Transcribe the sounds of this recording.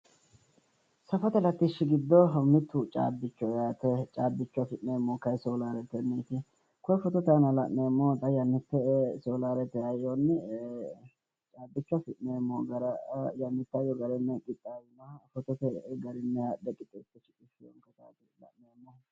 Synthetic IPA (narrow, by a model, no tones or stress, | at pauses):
sɐfɔt̪ɛlɐt̪ːɪʃɪɡɪd̪ːɔmɪt̪ːut͡ʃʼa̰ːbːɪt͡ʃːɔjaːt̪ɛt͡ʃʼaːbːɪt͡ʃːʊɐfɪtneːmːokɐjsoːlaːɾɛt̪ɛnːiːt̪ɪ | kɔjfɔt̪ɔt̪anɐlɐʔneːmːoːt̪ʼɐjɐnːɪt̪ːɛsoːlaːɾɛt̪ɛɐjonːɛ | t͡ʃʼaːbːɪt͡ʃːʊɐfɪʔneːmːɔɡɐɾɐjɐnːɪt̪ːɐjɔɡɐɾɛnːɛkʼɪt̪ʼːaːwnɐfɔt̪ɔt̪ɛɡɐɾɪnːɛhad̪ɛkʼɪt̪ʼːɛt̪ːɪt͡ʃɪ̥kʼɪfɪjɔ̰ŋkɐt̪a̰ːt̪ɪlɐ̰ʔneːmːɔ